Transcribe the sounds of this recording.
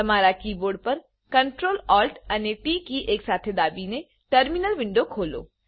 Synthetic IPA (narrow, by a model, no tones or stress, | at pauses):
ɐmaːɾakiːboːɾɖ̚pɐɾ | kɐɳʈɾoːlɔːlʈɐnepiːkiʔeːksaːt̪ʰed̪aːbine | ʈəɾmɪnəlʋɪ̃ɳɖokʰoːlo̰ː